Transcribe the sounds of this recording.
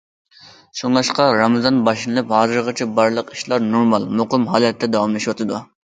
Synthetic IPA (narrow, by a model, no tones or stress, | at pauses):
ʃoŋlˠɑʃqɑɾɑmɨzɑnbɑʃɨnɨlˠɨphɑːzɨɾʁɑt͡ʃʰibɑɾlˠəqi̥ʃlˠɑɾnuɾmɑlˠmoqəmɦɑːlˠɛt̪ʰːɛd̪ɑwɑmlˠɛʃwɑt̪ʰɨd̪u